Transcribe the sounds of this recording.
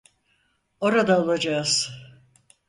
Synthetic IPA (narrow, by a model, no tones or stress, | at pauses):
o̞ɾad̪aolˠad͡ʒaz̥